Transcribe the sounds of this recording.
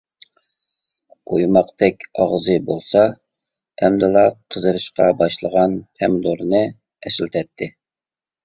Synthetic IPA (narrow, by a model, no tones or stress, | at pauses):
ojmɑqt̪ɛkʲɑʁzɨbolˠsɑ | ɛmd̪ɨlˠɑqʰəzɨɾɨʃqɑbɑʃlˠəʁɑnpʰɛmd̪oɾnɨ | ɛslt̪ʰɛt̪ʰːɪ